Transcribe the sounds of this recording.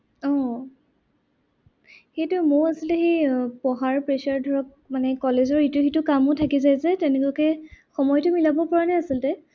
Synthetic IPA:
ɔ̃ | xetʊmʊɹasilɛxepɔɦaɹpɹɛʃaɹdʱɔɹɔk̚ | manɛkɔlezɔɹitʊxitʊkamʊtʰakizajzɛtɛnɛkɔkɛxɔmɔjtʊmilabɔpɔɹanɛasiltɛ

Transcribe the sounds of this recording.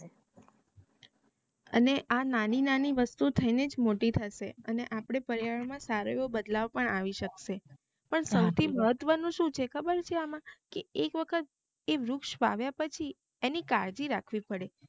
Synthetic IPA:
ə̰neʔananinaniʋəst̪ut̪ʰəined͡ʒmoʈit̪ʰəʃeəneʔapɽ̃epəɾjaɭmãsaɾojobəd̪laʋpəɳaʋiʃəkʃe | pəɳsəwt̪ʰiməɦət̪ʋənũʃũt͡ʃʰekʰəbəɾt͡ʃʰeamãkeekʋəkʰət̪̚ | eʋɾʊkʃʋa̰ʋjapət͡ʃʰi | enikaɾd͡ʒiɾakʰʋipəɽe

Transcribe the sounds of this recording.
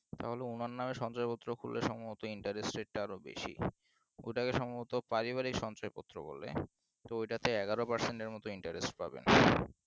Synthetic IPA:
t̪a̰ɦoleunaɾnameʃɔnt͡ɕaepɔt̪ːɾokʰulːeʃɔmoɦot̪oiɳʈaɾesʈɾeʈ̚ʈaaɾobḛʃḭ | ojʈakeʃɔmoot̪opaɾiβaɾikʃɔnt͡ɕɔepɔt̪ːɾo̰bo̰lːḛ | t̪oojʈat̪eɛɡaɾopaɾseɳʈeɾmɔt̪oiɳʈaɾesʈpa̰bḛn

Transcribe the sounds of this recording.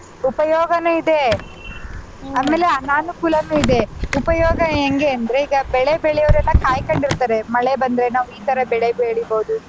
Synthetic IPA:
upɐjɔːɡɐnuːid̪e̞ | aːmeːleɐnaːnukuːlɐnuid̪e̞upɐjɔːɡɐeŋɡeɐnd̪ɐɾe̞iːɡɐbɛɭebeɭɛjɐʋɐɾɛlːɐkaːjkɐɳɖiɾut̪aːɾe̞mɐɭebɐnd̪ɐɾenaːʋuiːt̪ɐɾɐbɛɭebeːɭiboːd̪u

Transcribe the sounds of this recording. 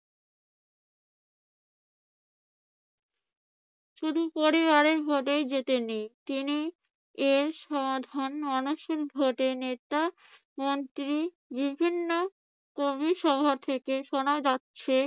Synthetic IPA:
ʃuɾupoɾibaɾeɾbʱoʈejd͡ʑet̪enit̪ini | eɾʃɔmad̪ʱanɔnoʃeɾbʱoʈenet̪a | mont̪ɾi | bibʱinːo | kobiʃɔbʱoɾt̪ʰekeʃonad͡ʑatːɕʰe

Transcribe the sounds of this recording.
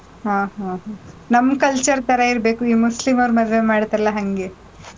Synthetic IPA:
ɦaːɦãːɦanɐmːkɐlt͡ʃɐɾt̪ɐɾɐiɾbeːkuiːmuslimɐʋɾmɐd̪ʋe̞maːɽt̪ɐɾɐlɐɦɐŋɡe

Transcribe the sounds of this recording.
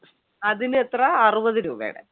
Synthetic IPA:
ɐðinɨet̪rɐːrubɐðɨɾuːbɐ̰jḭɽḛ

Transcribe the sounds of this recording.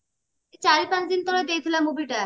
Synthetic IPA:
et͡ɕaɾipãt͡ɕd̪int̪ɔɾed̪ejt̪ʰilamubiʈa

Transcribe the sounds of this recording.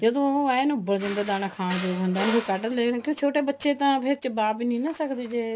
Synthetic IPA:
d͡ʒəd̪õːɛnũːbəd͡ʒənd̪aːd̪aːnaːkʰaːnd͡ʒoːɡɦʊnd̪aːnũekəʈəleːɡnːkõːt͡ʃʰoːʈeːbətːʃeːt̪ãːpʰɪɾt͡ʃəbaːpiːnĩːnãːsəkd̪eːd͡ʒeː

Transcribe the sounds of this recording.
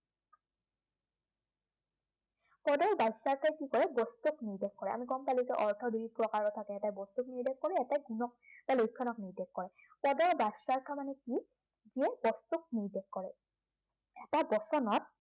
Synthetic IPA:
pɔdɔɹbasaɹkʰajkikɔɹɛbɔstukniɹdekkːɔɹɛ̰a̰miɡɔmpalikɛʔɔɹtʰɔduɹipɹɔkaɹɔtʰakɛɛtajbɔst̪ukniɹdɛkkɔɹɛɛtajɡunɔk̚balojkʰːɔnɔkniɹdekːɔɹɛ | pɔdɔɹbasɹaɹkʰamanɛki | ziɛbɔstuk̚niɹdɛkːɔɹɛ̰ | ɛtabɔsɔnɔt̚

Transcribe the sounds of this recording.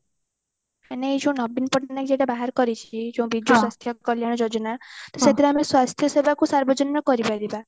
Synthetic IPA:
aneid͡ʒõw̃nʌbinpɔʈanakd͡ʒeɽabaɦaɾkɔɾit͡ʃʰid͡ʒõw̃bid̪juswast̪ʰjɔkɔljaɽ̃ɔd͡ʒɔd͡ʒɔnat̪ɔsat̪iɾameswast̪ʰjʌsebʱakusaɾbɔd͡ʒɔnɾakɔɾibaɾiba

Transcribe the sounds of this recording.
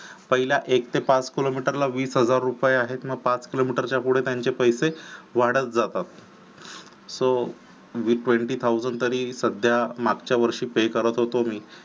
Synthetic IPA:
pəɦiljaʔekt̪ʰepat͡skilomiʈəɾlaʋiːsɦəd͡zaɾːupjeaɦet̪məɡ̚pat͡skilomiʈəɾt͡ɕjapuɽ̤et̪jaɲt͡ɕepəjseʋaɽət̪̚d͡zat̪at̪̚ | so | ʋiʈʋeɳʈiːt̪ʰawd͡zəɳɖt̪əɾiːsəd̪ʱjamaɡt͡ɕjaʋəɾʂiːpekəɾət̪ɦot̪omiː

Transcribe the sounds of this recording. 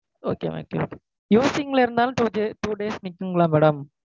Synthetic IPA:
o̰ːkḛːʋo̰kḛo̰ːke̥ː | juːsɪŋɡɐɭɪɾɯnd̪aːlʊ̃ʈuːd͡ʒeʈuːɖeːsnɪkːɯŋɡɐɭãːmɛːɽɐm

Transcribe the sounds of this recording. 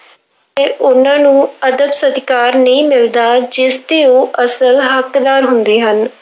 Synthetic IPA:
t̪eːʔʊnãːnũːəd̪əbsəd̪kaːɾnəĩːmɪld̪aːd͡ʒɪst̪eːoːʔəsəlɦəkd̪aːɾɦʊnd̪eːɦən

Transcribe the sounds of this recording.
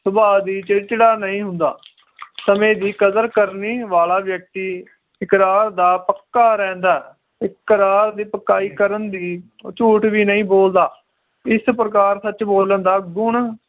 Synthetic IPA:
sʊbaːd̪iːt͡ʃət͡ʃəɽaːnəĩːɦʊnd̪a̰ː | səmẽːd̪iːkəzəɾkəɾniːʋaːlaːʋjək̚t̪iː | ɪkɾaːɾd̪aːpəkːaːɾɛ̃ːnd̪aː | ɪkːəɾaːɾd̪iːpəkːaːiːkəɾənd̪iː | t͡ʃuːʈʋiːnəĩːboːld̪aː | ɪspɾəkaːɾsət͡ʃboːlənd̪aːɡʊɳ

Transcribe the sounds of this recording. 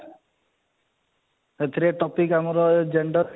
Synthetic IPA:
et̪ʰiɾeʈɔpikamɔɾɔd͡ʒeɳɖɔɾ

